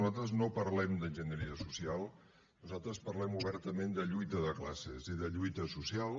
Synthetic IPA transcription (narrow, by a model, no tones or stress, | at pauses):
uzalˠt̪ɾəznopəɾlɛmd̪ənʲʒənəɾiəsusialˠ | nuzalˠt̪ɾəspəɾlɛmuβɛɾt̪əmend̪əʎujt̪əðəkla̰sḛziðəʎujt̪əsusialˠ